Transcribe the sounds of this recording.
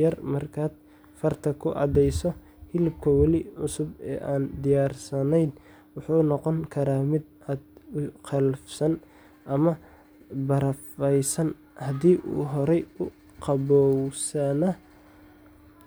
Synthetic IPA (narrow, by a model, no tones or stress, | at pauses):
ɐrmɐrkʰaːd̪̚ | fɐrt̪ʰɐkʰʊʔɑ̰d̪ɛjsɔ | hɪlɪbkʰɐwɑlɪʕʊsʊbɛ̰ːʔaːnd̪ɪjaːrsɐnɛjd̪ | wʊħunɔqɔŋkʰɐɾaːmɪd̪ | aːd̪ʊqʰɛlfsɐn | ʔɐmɐ | bɐɾɐfɛjsɐn | hɐd̪iːʔṵːɦɔɾɛjʊ | qɑbɔwsɐnɐ